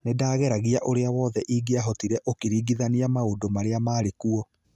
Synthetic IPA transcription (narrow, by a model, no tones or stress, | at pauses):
nedaːɣɛɾaɣiaʔoɾeawɔðɛʔiːɡeaɦɔtiɾɛʔokiɾiːɡiðaniamaondomaɾeamaːɾekuɔ